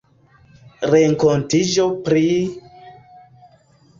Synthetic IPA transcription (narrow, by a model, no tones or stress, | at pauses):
ɾeŋkontid͡ʒo̞pɾi